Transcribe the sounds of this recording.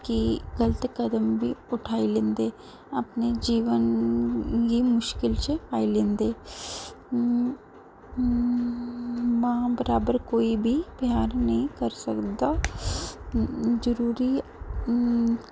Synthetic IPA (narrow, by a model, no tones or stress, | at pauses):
kiɡɐlət̪kɐd̪əmbʱiʊʈʰaːilẽːnd̪eː | ɐpned͡ʒiːʋən | kimʊʃkɪlt͡ʃepaːilẽːnd̪eː | mãbɐɾaːbəɾkoːibʱib̥jaːɾnɐɦĩkɐɾsɐkd̪a | zɐɾuːɾi